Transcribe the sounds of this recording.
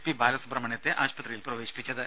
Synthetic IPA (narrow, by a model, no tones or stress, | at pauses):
pibaːlɐsuprɐmɐɳjɐt̪ːeʔaːɕpɐt̪rijilprɐʋe̞ːɕi̥pːit͡ɕːɐðɨ